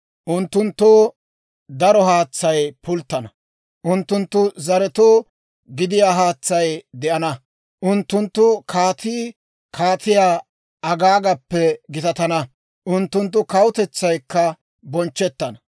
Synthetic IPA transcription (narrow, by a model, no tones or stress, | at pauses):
ʔʊnt̪ːʊnt̪ːoː | d̪ɐɾɔhaːt͡sːɐjpʊlt̪ːɐnɐ | ʔʊnt̪ːʊnt̪ːʊzɐɾɛt̪oː | ɡɪd̪ɪjaːɦaːt͡sːɐjd̪ɛʔɐnɐ | ʔʊnt̪ːʊnt̪ːʊkʰaːt̪iː | kʰaːt̪ɪjaː | ʔɐɡaːɡɐpːɛɡɪt̪ɐt̪ɐnɐ | ʔʊnt̪ːʊnt̪ːʊkɐwʊt̪ɛt͡sːɐjkːɐ | bɔnt͡ʃːɛt̪ːɐnɐ